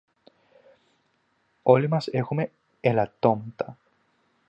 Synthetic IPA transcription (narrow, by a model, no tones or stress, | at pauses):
olimasexume | elat̪omt̪a